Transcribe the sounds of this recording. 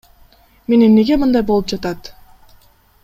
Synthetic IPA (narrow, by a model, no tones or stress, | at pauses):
me̞nemneɡe̞mɯnd̪ɑjbo̞lˠɯp̚d͡ʒɑt̪ɑt̪